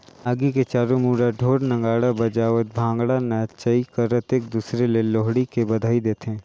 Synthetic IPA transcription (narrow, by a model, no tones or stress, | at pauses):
aːɡiket͡ʃaːɾomuːɾaɖʱoːɾnɐ̃ŋɡaːɽabɐd͡ʒaːʋət̪̚bʱãːŋɡɽanat͡ʃəikɐɾət̪eːk̚d̪uːsɾeleloːɦɽikebɐd̪ʱaːid̪eːt̪ɦɛ̃ː